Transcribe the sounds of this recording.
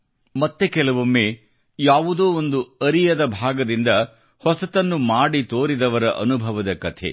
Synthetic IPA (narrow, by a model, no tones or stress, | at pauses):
mɐt̪ːekɛlɐʋumːeː | jaːʋud̪oːond̪uɐɾijɐd̪ɐbʱaːɡɐd̪ind̪ɐ | hɔsɐt̪ɐnːumaːɽit̪oːɾid̪ɐʋɐɾɐʔɐnubʱɐʋɐd̪ɐkɐt̪ʰḛ